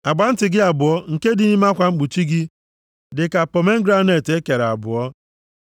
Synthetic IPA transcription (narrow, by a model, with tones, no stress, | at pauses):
a˨ɡ͡ba˨n̩˦tɪ˨ɡɪ˦a˨bʊ˨ɔ˦ŋ̩˨ke˦dɪ˨ni˦m˦a˦kʷa˨ŋ͡m̩˦k͡pu˨t͡ʃi˦ɡɪ˦ | dɪ˨ka˨pɔ˨me˦ŋ̩˦ɡɾa˦ne˨te˦ke˨ɾa˨bʊ˨ɔ˦